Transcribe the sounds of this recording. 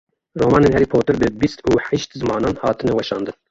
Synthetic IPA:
roːmɑːnenhɛɾipʰoːt̪ɨɾbɨbist̪uːħɛʃt̪zɨmɑːnɑːnhɑːt̪ʰɨnɛwɛʃɑːnd̪ɨn

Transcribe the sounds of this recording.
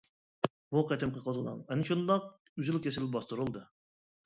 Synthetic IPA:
buqɛt̪ʰɪmqəqʰozəlˠɑ̰ŋɛnɪʃund̪ɑq̚ | yzɪlkʲesɪlbɑst̪uɾulˠd̪ɨ

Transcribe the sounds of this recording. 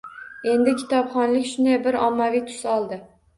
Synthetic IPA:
e̞nd̪ɪkʲʰɪ̥t̪ʰɒpχɒnlɪkʲʃʊnd̪ajbɪɾɒmːavijt̪ʰʊ̥sɒlˠd̪ɪ

